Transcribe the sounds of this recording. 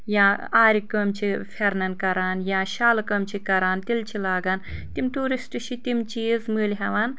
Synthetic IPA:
jaːaːɾʲikɐːmt͡ʃʰifʰɐɾnɐnkɐɾaːnjaːʃaːlɐkɐːmt͡ʃʰikɐɾaːnt̪ilt͡ʃʰilaːɡaːnt̪imʈuːɾisʈɨʃʰit̪imt͡ʃiːzmɨːlʲɦɐʋaːn

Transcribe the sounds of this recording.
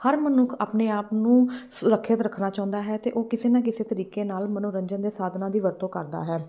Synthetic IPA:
həɾmənʊkʰa̰ːpneːaːpnũːsʊɾəkʰːjət̪ɾəkʰnaːt͡ʃɔãːʊ̃nd̪aːɦɛːt̪ḛːʔoːkɪseːnãːk̬ɪseːt̪əɾiːkeːnaːlmənʊɾəɲd͡ʒənd̪eːsaːd̪ʱnaːd̪iːʋəɾt̪õːkəɾd̪a̰ːɦɛː

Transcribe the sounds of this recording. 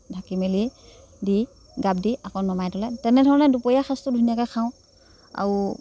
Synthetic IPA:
dʱakimeli | di | ɡab̚diakɔnɔmajdɔlɛtɛnɛdʱɔɹɔnɛdupɔjaxʰastʊdʱunijakakʰaʊ̃ | a̰u

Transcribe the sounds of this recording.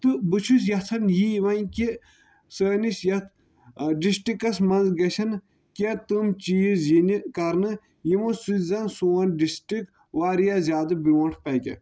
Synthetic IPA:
t̪ɨbɨt͡ʃʰus̬jɐt̪ʰɐnjijiʋɐnki | səːnisjɐt̪ʰ | ɖisʈikɐsmɐnzɡɐt͡ʃʰɐn | kʲet̪umt͡ʃiːzjinikɐɾnɨ | jimusuzɐnsoːɐnɖisʈik | ʋaːɾijazʲjaːd̪ɨbiʋɐɳʈʰpɐkʲḛ

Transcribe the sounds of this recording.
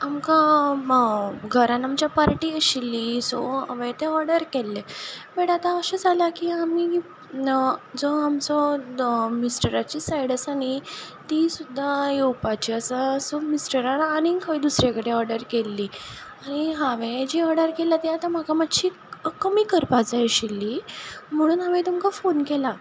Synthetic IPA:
amka | ɡʱəɾãnamt͡ɕjapaɾʈiːəɕilːiso̰a̰ʋet̪eɔɾɽəɾkelːebeɽat̪aəɕəd͡zʱalakiami | d͡zɔamt͡sɔ | misʈəɾat͡ɕiːsajɽəsaɽ̃i | t̪isud̪ʱːajewpat͡ɕiːəsasomisʈəɾaɾañikʰəʋid̪usɾekəɽeɔɾɖəɾkelːiːaɽ̃iɦaʋed͡ʑiɔɾɖəɾkelat̪iat̪am̤akamat̪ːɕiː | kəmiːkəɾpad͡zajɕilːiːm̤əɽ̃uːnaʋẽt̪umkafonkela

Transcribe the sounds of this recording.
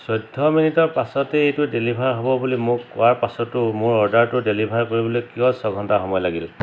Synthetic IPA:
sɔjdʱɔminitɔɹpasɔteejtʊdelibʱaɹɦɔbɔbulimʊkɔwaɹpasɔtʊmʊɹɔɹdaɹtʊdelibʱaɹkoɹibɔlɔjkijɔsɔɡʱɔntaxɔmɔjlaɡil

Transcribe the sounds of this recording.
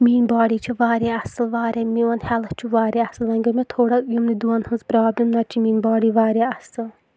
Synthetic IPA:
miːnbaːɽiːt͡ʃʰiʋaːɾʲaɐsɨlʋaːɾʲɐmiʋɐnhɛlɐht͡ʃʰuʋaːɾʲaɐsɨlːɐŋɡɐmʲet̪ʰoːɽɐjumnid̪uɐnhɐnzpɾaːblʲɐmnɐt͡ʃʰimiːnʲbaːɽiːʋaːɾʲjaɐsɨl

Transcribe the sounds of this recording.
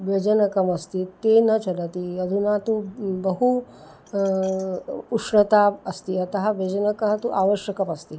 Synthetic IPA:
ʋjɐd͡ʒɐnɐkɐmɐst̪it̪eːnɐt͡ʃɐdɐt̪iɐd̪ʱunaːt̪ubɐɦu | uʂɳɐt̪aːɐst̪iɐt̪ɐɦɐʋjɐd͡ʒɐnɐkɐɦɐt̪uʔaːʋɐʃjɐkɐmɐst̪i

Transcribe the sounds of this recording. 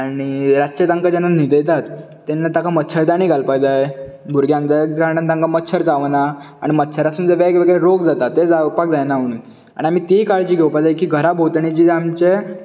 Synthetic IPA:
aɽ̃iɾaɕet̪ãŋkad͡ʑananid̪əjt̪at̪ː | enːat̪akamət̪ːɕʰəɭd̪añiːɡʱalpakd͡zaj | bʱuɾɡjãŋkd͡zaɡaɾɳant̪ãŋkamət̪ːɕʰəɾd͡zaʋnaaɽ̃imət̪ːɕʰəɾasuːnd͡zəʋjaekʋeɡɭɾoɡd͡zat̪at̪ːed͡zapak̚d͡zajnaʋɳi | a̰ɽ̃iam̤iːt̪ikaɭt͡ɕiːɡʱewpad͡zajkiːɡʱəɾabʱot̪ɳit͡ɕiːamt͡ɕe

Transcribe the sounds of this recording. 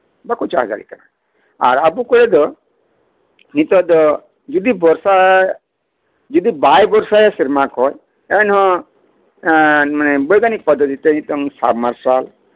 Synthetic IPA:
bakut͡ʃa̰ɦad͡ʒa̰ɾḭk̪ana̰ | a̰ɾabukɔɾed̪ɔ | nit̪ɔd̪ɔ | d͡ʒud̪ibɔɾsa | d͡ʒud̪ibajbɔɾsajesiɾmakɦɔj | enɦɔ̃ | manebɔjɡanik̚pɔd̪ɔd̪it̪enit̪ɔŋsa̰bmaɾsal

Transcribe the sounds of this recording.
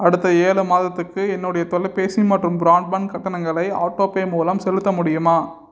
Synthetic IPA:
ɐɽɯt̪ːɐeːlɯmaːðɐt̪ːɯkːɯɛnːʊɽɐjɐt̪ɔɭɐpeːsimaːʈrɯmbɾaːɳɖbɐnkɐʈːɐnɐŋɡɐɭɐɪa̰ːʈːoːpeːmuːlɐmsɛlɯt̪ːɐmʊɽɪjɯmaː

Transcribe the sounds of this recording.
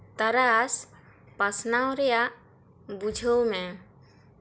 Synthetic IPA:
t̪əɾas | pasnawɾɛjaʔ | bud͡ʒʱəwmẽ

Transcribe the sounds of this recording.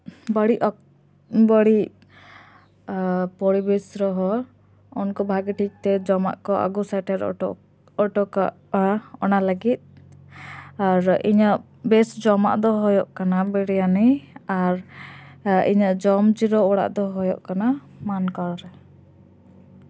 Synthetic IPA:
bəɽiʔɔ | bəɽi | pɔɽibɛsɾɔɦɔ | ɔnkɔbʱaɡiʈʰic̚t̪ɛd͡ʒɔma̰ʔkɔʔa̰ɡusɛʈɛɾ̰ɔ | ɔʈɔka | ɔnaləɡit̪̚ | aɾḭɲəʔ | bɛsd͡ʒɔma̰ʔd̪ɔɦɔjɔʔkanabɛɽɛjaniaɾ | ḭɲəʔd͡ʒɔmt͡ʃiɾɔɔɽa̰ʔd̪ɔɦɔjɔ̰ʔkana | mankaɽɾɛ

